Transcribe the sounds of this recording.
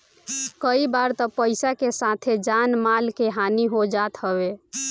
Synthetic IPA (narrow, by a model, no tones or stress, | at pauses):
kəibaɾt̪əpəɪsakesat̪ʰed͡ʒanmalkeɦaniɦod͡ʒat̪ɦəbe